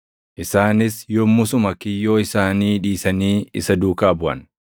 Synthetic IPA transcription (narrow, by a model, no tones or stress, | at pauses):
ʔɪsaːnɪsjɔmːʊsʊmɐkɪjːoːɪsaːniːᶑiːsɐniːɪ̰sɐd̪uːkaːbʊʔɐ̰n